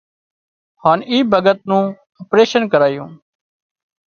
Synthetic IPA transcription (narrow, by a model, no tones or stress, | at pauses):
haːniːbʱəɡət̪̚nũː | əpɾeːʃənkəɾaːjṵ̃ː